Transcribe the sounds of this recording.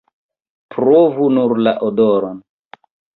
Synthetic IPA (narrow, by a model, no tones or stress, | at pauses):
pɾovunuɾlaʔodoɾon